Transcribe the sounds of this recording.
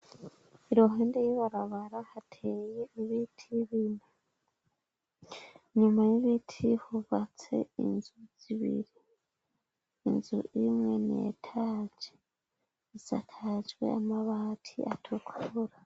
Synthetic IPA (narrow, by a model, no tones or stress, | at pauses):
iɾoɦeːndejiβaɾaβaɾahatʰejeiβitʰiβine | ɲumajiβitʰihuβat͡se̞̰ḭnzuz̥iβḭɾi | nzṵʔimŋe̞nḛtʰaːd͡ʒe | isatʰad͡ʒwe̞̰amaβatʰḭʔatʰukʰuɾa